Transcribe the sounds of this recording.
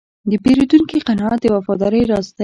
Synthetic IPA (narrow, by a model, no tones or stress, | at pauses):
d̪əpeɾod̪uŋkiqanɑat̪̚d̪əwafɑd̪ɑɾəjɾɑst̪a